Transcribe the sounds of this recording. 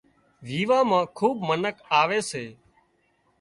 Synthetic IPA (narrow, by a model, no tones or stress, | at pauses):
ʋiːʋaːmãːkʰuːbmənəkaːʋeːseː